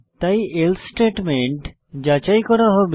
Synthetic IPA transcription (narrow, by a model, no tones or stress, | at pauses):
t̪aielsʈeʈmeɳʈ | d͡ʑat͡ɕajkɔɾaɦɔb